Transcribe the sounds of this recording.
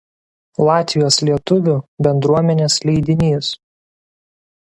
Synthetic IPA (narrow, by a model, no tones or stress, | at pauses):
lˠɑːt̪ʲʋʲɪjoːslʲiɛt̪ʊʋʲʊbʲɛnd̪ɾuɔmʲɛnʲeːslʲɛɪd̪ʲɪnʲiːs